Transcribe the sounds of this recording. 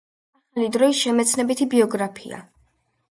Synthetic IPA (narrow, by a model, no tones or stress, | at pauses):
aχalid̪ɾɔisʃɛmɛt̪sʰnɛbit̪ʰibiɔɡɾapʰḭa̰